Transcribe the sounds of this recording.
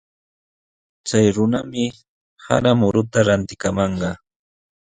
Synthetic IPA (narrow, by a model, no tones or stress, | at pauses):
t͡sajɾʊnamɪ | ha̰ɾamʊɾʊt̪aɾant̪ɪkamɑɴɢɑ